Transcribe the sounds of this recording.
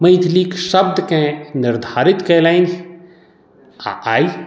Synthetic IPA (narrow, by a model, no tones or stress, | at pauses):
mɐjd̪ʰʱliːkʃɐb̚d̪kẽnɪɾd̪ʱaːɾɪt̪keːlain | a̰ʔaːi